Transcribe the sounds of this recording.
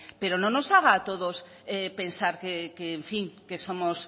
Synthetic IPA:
peɾonõnosaɣaːt̪oð̞os | epẽnsaɾkekeːɱfiŋkesomos

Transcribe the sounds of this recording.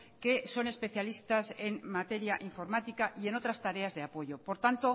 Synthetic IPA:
ke̞so̞ne̞spe̞θjalist̪ase̞ŋmat̪e̞ɾjaʔiɱfo̞ɾmat̪ikaʔie̞no̞t̪ɾast̪aɾe̞azðe̞apo̞ʝo̞po̞ɾt̪ant̪o̞

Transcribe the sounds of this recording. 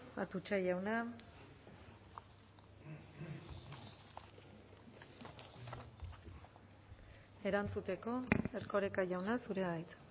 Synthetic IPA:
a̰t̪ut͡ʃaʝawna | e̞ɾant͡sut̪e̞ko̞eɾko̞ɾekaʝawnasuɾe̞βajt̪

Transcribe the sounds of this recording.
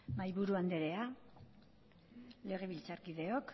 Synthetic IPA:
majβuɾuand̪eɾe̞a | le̞ɣ̞eβilt͡saɾkiðe̞o̞k

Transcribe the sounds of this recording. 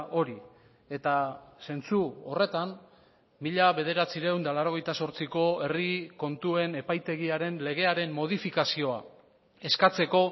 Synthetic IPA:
ʔo̞ɾi | e̞t̪ase̞nt͡suo̞̰re̞t̪an | miʎaβe̞ð̞e̞ɾat͡siɾewnd̪alaɾo̞ɣ̞e̞jt̪aso̞ɾt͡siko̞e̞riko̞nt̪ue̞ne̞pajt̪e̞ɣ̞iaɾe̞nle̞ɣ̞e̞aɾe̞mmo̞ð̞ifikasio̞a | e̞skat͡se̞ko̞

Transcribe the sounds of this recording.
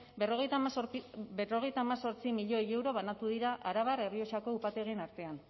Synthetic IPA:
eroɣejt̪a | bero̞ɣ̞e̞jt̪aːmaso̞ɾt͡simiʎo̞eje̞wɾo̞β̞anat̪uðiɾaʔaɾaβ̞are̞rio̞t͡ʃako̞upat̪e̞ɣenaɾt̪e̞an

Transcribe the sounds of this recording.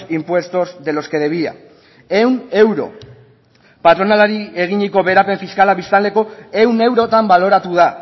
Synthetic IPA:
impwe̞st̪o̞zðe̞lo̞ske̞ðe̞β̞ia̰ | e̞wne̞wɾo̞̰ | pat̪ɾo̞nalaɾie̞ɣ̞iɲiko̞βe̞ɾape̞ɱfiskalaβist̪ald̪e̞ko̞e̞wne̞wɾo̞t̪ambalo̞ɾat̪uð̞a

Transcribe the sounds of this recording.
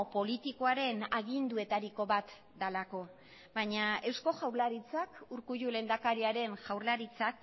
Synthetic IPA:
po̞lit̪iko̞aɾe̞naɣind̪ue̞t̪aɾiko̞βat̪ | d̪alako̞ | baɲae̞wsko̞ʝawɾlaɾit͡sakuɾkuʝule̞nd̪akaɾiaɾe̞nʝawɾlaɾit͡sak̚

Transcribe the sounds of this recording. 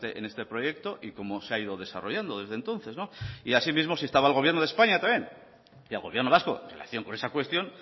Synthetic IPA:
t̪eʔḛne̞st̪e̞pɾo̞je̞k̚t̪o̞ʔiko̞mo̞seaið̞o̞ðe̞sa̰ro̞ʝand̪o̞ð̞e̞zðent̪õ̞nθe̞znoiasimizmo̞sie̞st̪aβalɣoje̞ɾnoðe̞spaɲat̪amje̞n | ialɣo̞βjeɾnoaskoḛnrela̰θjo̞ŋko̞ne̞sakwe̞st̪jõ̞n

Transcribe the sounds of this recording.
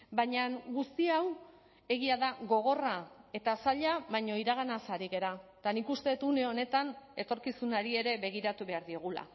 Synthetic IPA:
baɲaŋɡust̪iaw | e̞ɣiaðaɣo̞ɣ̞o̞rae̞t̪asaʎaβajɲo̞iɾaɣanasaɾiɣe̞ɾat̪anikust̪e̞t̪une̞o̞ne̞t̪ane̞t̪o̞ɾkisunaɾie̞ɾe̞βe̞ɣ̞iɾat̪uβe̞aɾðio̞ɣula̰

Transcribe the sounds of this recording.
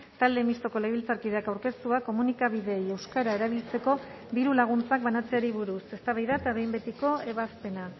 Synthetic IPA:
t̪ald̪e̞mist̪o̞ko̞lejβilt͡saɾkiðe̞akawɾke̞st̪uako̞munikaβ̞iðe̞ːje̞wskaɾae̞ɾaβ̞ilt͡se̞ko̞ | d̪iɾulaɣ̞unt͡sak̚βanat͡se̞aɾiβuɾuse̞st̪aβajðaet̪aβe̞jmbe̞t̪iko̞e̞βaspe̞na

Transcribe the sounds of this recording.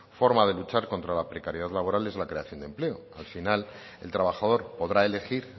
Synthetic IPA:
fo̞ɾmað̞e̞lut͡ʃaɾko̞nt̪ɾalapɾe̞kaɾje̞ð̞aðlaβo̞ɾalezlakɾe̞aθjo̞nd̪e̞mple̞oalfinal | e̞lt̪ɾaβ̞axað̞o̞ɾpo̞ðɾae̞le̞xiɾ

